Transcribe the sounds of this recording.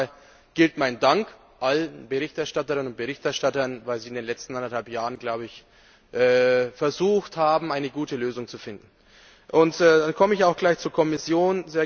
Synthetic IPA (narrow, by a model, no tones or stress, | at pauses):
ɡ̥ɪltmaɪndaŋk | ʔalənbəʁ̞ɪçtɛɐʃtatəʁɪnənʊnt̚b̥əʁɪçtɛɐʃtatɐnvaɪlziːɪndeːnlɛt͡stn̩ʔandɐthalpjaːʁənɡlaʊbəɪç | ʔɛːfɛɐzuːxthaːbm̩aɪnəɡuːtəløːzʊŋt͡sufɪndn̩ | ʔʊntɛːdankʰɔməɪçaʊxɡ̥laɪçt͡suːɐkʰɔmɪsjoːnzeːɐ